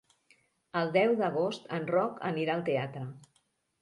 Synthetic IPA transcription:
əlˠd̪ɛwðəɣ̞ost̪ənrɔkə̰niɾaəlˠt̪eat̪ɾə

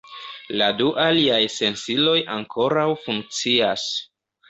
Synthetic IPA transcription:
laduʔaliajse̞nsilo̞jaŋkʰo̞ɾawfuŋk̚t͡sias

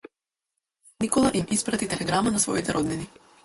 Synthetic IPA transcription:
nikɔlˠaʔimispɾat̪it̪ɛlɛɡɾamanasvɔ̰it̪ɛɾʔɔd̪nɛni

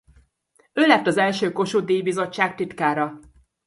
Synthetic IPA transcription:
øːlɛp̚t̪ɒzɛlʃøːko̞ʃuːd̪eːjibizo̞t͡ʃt͡ʃːaːk̚t̪it̪kaːɾɒ

